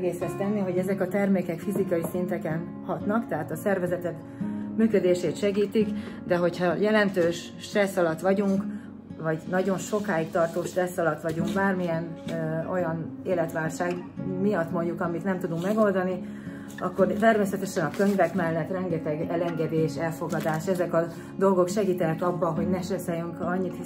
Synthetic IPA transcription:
ɛɡeːsɛst̪ɛnːiɦo̞ɟɛzɛkɒt̪ɛrmeːkɛkfizikɒjisint̪ɛkɛn | hɒt̪nɒkt̪ɛɦaːt̪ɒsɛrvɛzɛt̪ɛt̪ | myːkø̞d̪eːʃeːt̪ʃɛɡiːt̪ikd̪ɛɦo̞chɒjɛlɛnt̪øːʃ | ʃːt̪rɛsːɒlɒt̪ʋɒɟuŋk | vɒɟnɒɟo̞nʃo̞kaːjik̚t̪ɒrt̪oːʃt̪rɛsːɒlɒt̪ʋɒɟuŋkbaːrmijɛno̞̰jɒneːlɛt̪ʋaːlʃaːɡ | mijɒt̪mo̞ɲɟukɒmit̪nɛmt̪ud̪uŋkmɛɡo̞ld̪ɒni | ɒkːo̞rt̪ɛrmeːsɛt̪ɛʃɛnɒkø̞ɲvɛkmɛlːɛt̪rɛŋɡɛt̪ɛɡɛlɛŋɡɛd̪eːʃɛlfo̞ɡɒd̪aːʃɛzɛkɒ | d̪o̞lɡo̞kʃɛɡiːt̪ɛnɛkɒbːɒɦo̞ɟnɛʃt̪ɛsɛːjyŋkɒɲːit̪hi

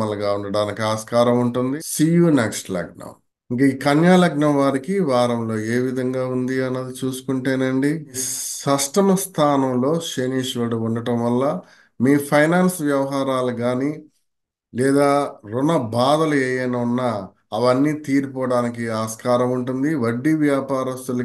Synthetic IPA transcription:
ɐlɐɡaːuɳɖɐɽaːnikiaːskaːɾɐmuɳʈund̪isiːjuːneksʈlɐ̰ɡ̚nɐ̰m | iŋk̬ɐiːkɐnjaːlɐɡnɐmʋaːɾikiʋaːɾɐmlo̞ːeːʋid̪ʱɐŋɡaːund̪iɐnːɐd̪it͡ʃuːsu̥kuɳʈeːnɐɳɖisɐsʈɐmst̪ʰaːnɐmlo̞ːʃeːniːʂʋɐːɽuuɳɖɐʈɐmʋɐlːɐ | miːpʰɐjnaːnsʋjɐʋɐɦaːɾaːluɡaːni | lɛːd̪aːɾunɐbaːd̪ɐlueːjɐnunːɐ | ɐʋɐnːiːt̪iːɾipɔːɽaːnik̬iaːskaːɾɐmuɳʈund̪iʋɐɖːiʋjaːpaːɾɐst̪ulɐ

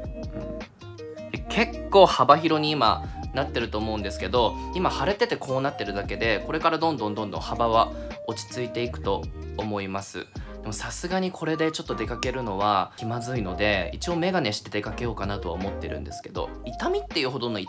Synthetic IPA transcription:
ɯ̟̃ɴ | ekʰe̞kːo̞ːhabaçiɾo̞ɲ̟iːma̰nat̪ːe̞ɾɯ̟t̪o̞ːmo̞ɯ̟nd̪e̞sɨ̥ke̞d̪o̞imahaɾe̞t̪e̞t̪e̞kʰo̞ːnat̪ːe̞ɾɯ̟d̪ake̞d̪e̞ko̞ɾe̞kaɾad̪õ̞nd̪õnd̪õ̞nd̪õ̞habaβa | o̞t͡ɕi̥t͡sɨit̪e̞ikɯ̟̥t̪o̞ːmo̞imasɨ̰d̪̥e̞mo̞sasɨɡaɲ̟ikʰo̞ɾe̞d̪e̞t͡ɕo̞t̪ːo̞d̪e̞kake̞ɾɯ̟no̞βakʲimazɨino̞d̪e̞ḭt͡ɕio̞me̞ɡane̞ɕi̥t̪e̞d̪e̞kake̞jo̞ːkanat̪o̞βaomo̞t̪ːe̞ɾɯ̟̃nd̪e̞sɨ̥ke̞d̪o̞̰ | it̪amʲit̪ːe̞jiɯ̟ːɦo̞d̪o̞noi

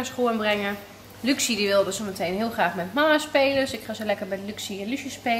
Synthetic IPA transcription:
əsχuənbrɛŋə | lyksidiʋɪlˠdəsomətʰejnɦɪəlˠχraːχmɛnmaːəspeːləsɪkχazəlɛkərbɛjdəlyksiɛnlyʃəspeː

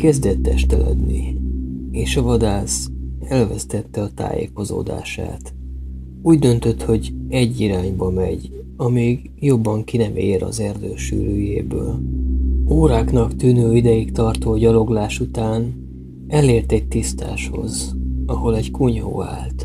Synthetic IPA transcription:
kɛzd̪ɛt̪ːɛʃt̪ɛlɛ̰d̪nḭ | eːʃɒvɒd̪aːsɛlvɛst̪ɛt̪ːɛɒt̪a̰ːjḛːko̞zo̰ːd̪a̰ːʃa̰ːt̪ | uːɟd̪ø̞nt̪ø̞t̪ho̞ɟɛɟːiɾaːɲbɒmɛ̰ɟ | ɒmiːɡ | jo̞bːɒŋkinɛmeːɾɒ̰zɛrd̪øːʃy̰ːɾyːjḛːbø̰ːl | oːɾaːknɒkt̪yːnøːid̪ɛjikt̪ɒrt̪oːɟɒlo̞ɡlaːʃut̪aːn | ɛleːrt̪ɛc̚t̪ist̪a̰ːʃho̞̰zɒho̞lɛɟkuɲo̰ːa̰ːlt̪

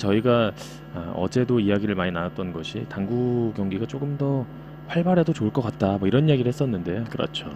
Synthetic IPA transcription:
t͡ɕʌiɡa | aʌ̰d͡ʑe̞doiaɡiɾɯɭmaɲinaat̚t͈ʌnɡʌɕʰitaŋɡuɡjʌŋɡiɡat͡ɕ͈oɡɯmdʌ | ɸwaɭbaɾe̞dot͡ɕouɭk͈ʌk͈at̚t͈amʌiɾʌnijaɡiɾɯɭhe̞s͈ʌnːɯnde̞jokɯɾʌ̰t͡ɕʰo

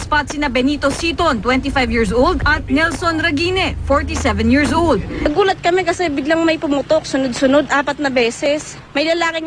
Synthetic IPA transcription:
spat̪sɪnɐbɛniːt̪osiːt̪ont̪wɛnt̪ifajvjiːɹs̬owld̪ɐt̪̚nɛlsonɾɐɡiːnɛfoɹt̪isɛvɛ̃njiɹsʔowld̪̚ɐɡuːlɐt̪̚kɐmɛkɐsɛbɪɡlɐŋmɐjpʊmʊt̪ok̚sʊnod̪̚sʊnod̪ʔaːpɐt̪̚nɐbɛːsɛs | mɐjlɐlaːkɪ

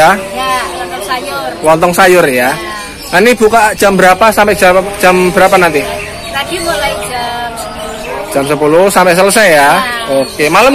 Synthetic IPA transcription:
a | ajrwɔnt̪ɔŋsajʊrja | ŋanib̥ukaʔd̥ʒ̥a̤mbəɾapasampɛʔd͡ʒ̥ʒ̥amb̥əɾapanant̪i | ḁil | d̥ʒ̥a̤msəpulʊsampɛʔsələsajjaokemaləm

